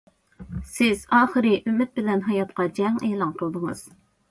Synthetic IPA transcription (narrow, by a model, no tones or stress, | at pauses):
sɪz̥ɑːχəɾɨʔymːɪt̪̚bɪlɛnɦɑjɑt̪qɑd͡ʒɛŋɛːlˠɑŋqʰəlˠd̪ɨŋɨz̥